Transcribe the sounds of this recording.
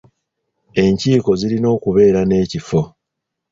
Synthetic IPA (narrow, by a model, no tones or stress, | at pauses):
e̞ɲciːko̞zilino̞ːkuβe̞ːɾane̞ːcifo̞